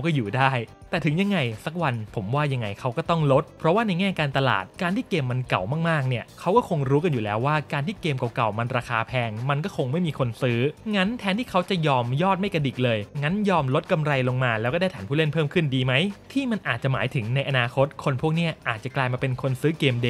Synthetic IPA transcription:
wkɔː˥˩juː˨˩daː˥˩j | t̪ɛː˨˩t̪ʰɯ˩˦ŋja˧ŋːa˧jsa˦˥k̚wa˧npʰo˩˦mwaː˥˩ja˧ŋːa˧jkʰa˦˥wkɔː˥˩t̪ɔ˥˩ŋlo˦˥t̪̚pʰɾɔ˦˥waː˥˩na˧jŋɛː˥˩kaː˧nt̪a˧la̰ː˨˩t̪̚kaː˧nt̪iː˩keː˧mːa˧nka˨˩wmaː˥˩kmaː˥˩k̚ni˥˩ɐkʰa˦˥wkɔː˥˩kʰo˧ŋɾuː˦˥ka˧njuː˨˩lɛː˦˥wːaː˥˩kaː˧nt̪ʰiː˥˩keː˧mka˨˩wka˨˩wma˧nɾaː˧kʰaː˧pʰɛː˧ŋma˧nkɔː˥˩kʰo˧ŋma˥˩jmiː˧kʰo˧nsɯː˦˥ŋa˦˥nt̪ʰɛː˦˥nt̪ʰiː˥˩kʰa˦˥wt͡ɕa˨˩jɔː˧mjɔː˥˩t̪̚ma˥˩jka˧di˨˩k̚lɤː˧jŋa˦˥njɔː˧mlo˦˥t̪̚ka˧mɾa˧jlo˧ŋmaː˧lɛː˦˥wkɔː˥˩da˥˩jt̪ʰaː˩˦pʰu˥˩le˥npʰɤː˥˩mkʰɯ˥˩ndiː˧ma˦˥jt̪ʰiː˥˩ma˧nʔaː˨˩t̪̚t͡ɕa˨˩maː˩˦jt̪ʰɯ˨˩˦ŋna˧jʔa˧naː˧kʰo˦˥t̪̚kʰo˧npʰu˥˩ək̚ni˦˥˩ɐʔaː˨˩t̪̚t͡ɕa˨˩klaː˧jmaː˧pe˧nkʰo˧nsɯː˦˥keː˧mde˧˩

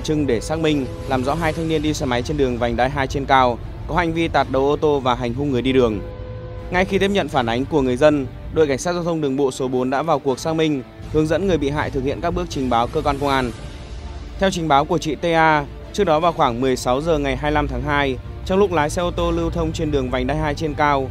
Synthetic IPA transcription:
t͡ɕɨ˧ŋɗe˧˩saː˦˥k̚mï˧ŋ̟ | laː˨˩mzɔ̰˧˥ɦaː˧jt̪ʰa˧ŋni˧ənɗi˧sɛ˧˩ma˨˦jt͡ɕe˧nɗɨ˨˩əŋva˨˩jŋ̟ɗaː˧jɦaː˧jt͡ɕe˧nkaː˧w | kɔ˨˦ɦa̰˧jŋ̟vi˧t̪aː˨˩t̚ɗə̰˨˧˩ʔo˧t̪o˧vaː˨˩ɦa˨˩jŋ̟ɦʊ˧ŋ͡mŋɨ˨˩əjɗi˧ɗɨ˨˩əŋ | ŋa˧jxi˧t̪ʰi˦˥pɲə̰˧˨nfaː˧˩nʔa˨˦jŋ̟ku˧˩əŋɨ˨˩əjzə˧n | ɗo̰˨˧˨jka˧˩ŋ̟saː˦˥t̚zaː˧t̪ʰə˧wŋ͡mɗɨ˨˩əŋɓo̰˧˨so˨˦ɓo˨˦nɗa̰ː˧˥vaː˨˩wku˨˩ək̚saː˦˥k̚mï˧ŋ̟ | hɨ˨˦əŋzə̰˧˥nŋɨ˨˩əjɓḭ˧˨ɦa̰ː˧˨jt̪̚ʰhḭ˧˨nkaː˦˥k̚ɓɨ˦˥ək̚t͡ɕï˨˩ŋ̟ɓaː˨˦wkəː˧kwɔ˧nkə˧wŋ͡mʔaː˧n | t̪ʰɛ˧wt͡ɕï˨˩ŋ̟ɓaː˨˦wku˧˩ət͡ɕḭ˧˨t̪e˧ʔaː˧ | t͡ɕɨ˦˥ək̚ɗɔ˨˦vaː˨˩wxwaː˧˩ŋmɨ˨˩əjsa˨˦wzəː˨˩ŋa˨˩jɦaː˧jla˧mt̪ʰaː˨˦ŋɦaː˧j | t͡ɕɔ˧wŋ͡mlʊ˦˥k̚laː˨˦jsɛ˧ʔo˧t̪o˧lɨ˧wt̪ʰə˧wŋ͡mt͡ɕe˧nɗɨ˨˩əŋva˨˩jŋ̟ɗaː˧jɦaː˧jt͡ɕe˧nkaː˧w

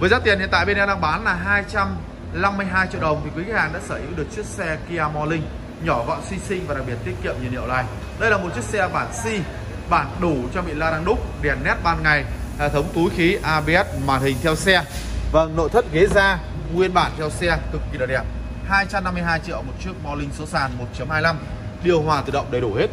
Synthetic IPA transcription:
vəː˨˦jzaː˦t̪i˨˩nhḭ˧˨t̪a̰ː˧˨jɓe˧nɛ˧ɗaː˧ŋɓaː˨˦nlaː˨˩ɦaː˧jt͡ɕa˧m | la˧mːɨ˧əjɦaː˧jt͡ɕḭ˧˨əɗə˨˩wŋ͡mt̪ʰi˨˩kwi˨˦k̚haː˨˩ɗa̰ː˧˥səː˧˩ʔi˨˦wɗɨ˨˩ək̚t͡ɕət̚sɛ˧ki˧aː˧mɔ˧lï˧ŋ̟ | ɲɔ˧˩vɔ̰˧˨nswi˧sï˧ŋ̟vaː˨˩ɗa˨k̚ɓi˨˩t̪̚i˦˥t̚kḭ˧˨əmɲi˨˩nhḭ˧˨əwla̰ː˧˨j | ɗə˧jlaː˨˩mo˨˩t̚t͡ɕi˦˥ət̚sɛ˧ɓaː˧˩nsi˧ | ɓaː˧˩nɗu˧˩t͡ɕɔ˧ɓḭ˧˨laː˧ɗaː˧ŋɗʊ˦˥k͡p̚ɗɛ˨˩nnːɛ˦˥t̚ɓaː˧nŋa˨˩jhḛ˧˩t̪ʰə˨˦wŋ͡mt̪u˨˦jxi˨˦ʔaː˧ɓi˧ɛ˦˥t̚mwaː˨˩nhï˨˩ŋ̟t̪ʰɛ˧wsɛ˧və˧˩ŋno̰˧˨jt̪ʰə˦˥t̚ɣe˨˦zaː˧ | ŋwi˧ənɓa̰ː˧˩nt̪ʰɛ˧wsɛ˧t̪ʰɨ˨˩k̚ːi˨˩ɗa̰˨˩ɗɛ˨˩p̚ | haː˧jt͡ɕa˧mnːa˧mːɨ˧jɦaː˧jt͡ɕḭ˧˨əwmo˨˩t̚t͡ɕi˦˥ək̚mɔ˧lï˧ŋ̟so˨˦saː˨˩nmo˨˩t̚t͡ɕə˨˦mhaː˧jla˧m | ɗi˨˧˩əwɦwaː˨˩t̪ɨ˨˩ɗə̰˧˨wŋ͡mɗə˨˩jɗu˧˩he˦˥t̚

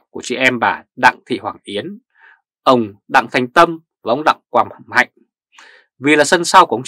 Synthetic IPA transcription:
ku˧˩ət͡ɕḭ˧˨ʔɛ˧mɓaː˧˩ɗa̰˧˨ŋt̪ʰḭ˧˨hwaː˧˩ŋʔi˨˦ən | ʔə˧˩wŋ͡mɗa̰˧˨ŋt̪ʰa˨˩jŋ̟t̪ə˧m | vaː˨˩ʔə˧˦wŋ͡mɗa̰ː˧˨ŋkwaː˨˩mmha̰˧˨jŋ̟ | vi˨˩laː˨˩sə˧nsaː˧wkŋ͡m

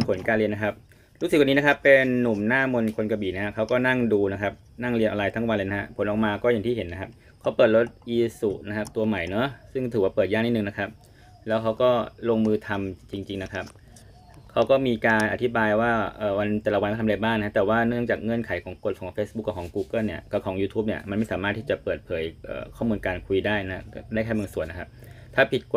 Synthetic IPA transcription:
mpʰo˨˩˦nkaː˧nli˧əna˦˥kʰa˦˥p̚ | ɾu˧˦˥skwniː˦˥na˦˥kʰa˦˥pːe˧nːu˨˩mnaː˥˩mo˧nkʰo˧nka˧biː˨˩na˦˥a˦˥kʰa˦˥wkɔː˥˩na˥˩ŋduː˧na˦˥kʰa˦˥p̚ | na˥˩ŋli˧nʔa˧laː˧jt̪ʰa˦˥˩wa˧le˧jna˦˥ha˦˥pʰo˩˦nʔɔː˨˩k̚maː˧kɔː˥˩jaː˨˩ŋt̪ʰiː˥˩ɦe˩˦nːa˦˥kʰa˦˥p̚ | kʰa˦˥wpɤː˨˩t̪̚lo˦˥t̪̚ʔiː˧su˨˩ʔna˦˥kʰa˦˥p̚t̪u˧ɐma˨˩jnɔ˦˥sɯ˥˩ŋt̪ʰɯː˨˩waː˥˩pɤː˨˩t̪̚jaː˥˩ŋniː˥˩nɯ˨˩ŋna˦˥kʰa˦˥p̚ | lɛː˦˥wkʰa˦˥wkɔː˥˩loː˧ŋmɯː˧t̪ʰa˧mt͡ɕi˧ŋt͡ɕi˧ŋna˦˥kʰa˦˥p̚ | kʰa˦˥wkɔː˥˩miː˧kaː˧nʔa˨˩t̪ʰi˦˥baː˧jwaː˥˩ʔɤː˨˩wa˧nt̪ɛː˨˧˩la˨˩wnka˥t̪ʰɾaː˧baː˥˩ŋʰ˧˦a˦˥˩t̪ɛː˨˩waː˥˩nɯ˥˩əŋt͡ɕaː˨˩k̚ŋɤ˧ənkʰa˨˦jkʰɔː˩˦ŋko˧˩t̪̚kʰɔː˩˦ŋfeː˦˥s̚bu˦˥kːa˧˩kʰɔː˩˦ŋkuː˧kɤ˥˩ni˥˩ɐka˧˩kʰɔː˩˦ŋjuː˧t̪ʰuː˦˥p̚ni˥˩ɐma˧nma˥˩jsaː˩˦maː˥˩t̪ʰːiː˥˩t͡ɕa˨˩pɤː˨˩t̪̚pʰɤː˩˦jʔɤ̰ː˨˩kʰɔː˥˩muː˧nkaː˧nkʰu˧jdaː˥˩jna˦˥˩daː˥˩kʰaː˥˩jma˧nsu˨˩əna˦kʰa˦˥p̚t̪ʰaː˥˩pʰi˨˩t̪̚k

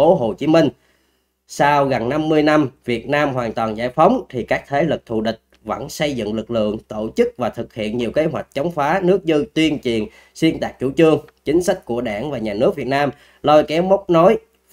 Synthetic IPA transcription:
o˨˦ɦo˨˩t͡ɕi˨˦mi˧ŋ̟ | saː˧wɣa˨˩nna˧mːɨ˧əjna˧mvi˨˩ət̚naː˧mɦwaː˨˩nt̪waː˨˩nza̰ː˧˩jfə˨˦wŋ͡mt̪ʰi˨˩kaː˦˥k̚t̪ʰe˨˦lɨ˨˩k̚t̪ʰṵ˧˩ɗï˨˩k̟̚ | və̰˧˥˩nsə˧jzɨ̰˧˨ŋlɨ˨˩k̚lɨ̰˧˨əŋt̪o˧˩t͡ɕɨ˦˥k̚vaː˨˩t̪ʰɨ˨˩k̚hḭ˧˨ənɲi˨˩əwke˨˦ɦwa˨˩jk̟̚t͡ɕə˨˦wŋ͡mfaː˨˦nɨ˦˥ək̚zɨ˧t̪wi˧ənt͡ɕi˨˩ən | swi˧ənt̪aː˨˩k̚t͡ɕṵ˧˩t͡ɕɨ˧əŋt͡ɕï˨˦ŋ̟sa˦˥jk̟̚ku˧˩əɗaː˧˩ŋvaː˨˩ɲaː˨˩nɨ˦˥ək̚vi˨˩ət̚naː˧m | lo˧jkɛ˨˦wmə˦˥wk͡p̚nɔ˨˦j

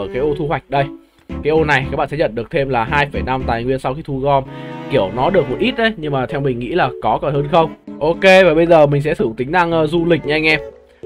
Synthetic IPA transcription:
kaː˨˦jʔo˧t̪ʰu˧hwa˨˩jk̟̚ɗə˧j | kaː˨˦jʔo˧na˨˩jkaː˦˥kɓ̰ːɛ˧˥˦ə̰˧˨nɗɨ˨˩ək̚t̪ʰe˧mlaː˨˩ɦaː˧jfə˧˩jna˧mt̪aː˨˩jŋwi˧ənsa˧wxi˧t̪ʰu˧ɣɔ˧mki˧˩əwnɔ˨˦ɗɨ˨˩ək̚mo˨˩t̚ʔi˦˥t̚ʔɗə˨˦jɲɨ˧ŋmaː˨˩t̪ʰɛ˧wmï˨˩ŋ̟ŋḭ˧˥laː˨˩kɔ˨˦kɔ˨˩nhəː˧nxə˧wŋ͡mʔo˧ke˧vaː˨˩ɓə˧jzəː˨˩mï˨˩ŋ̟sɛ̰˧˥t̪ɨ˧˩ŋt̪ï˨˦ŋ̟ɗa˧ŋʔəː˧zu˧lï˨˩k̚ɲ˧ŋʔɛ˧m

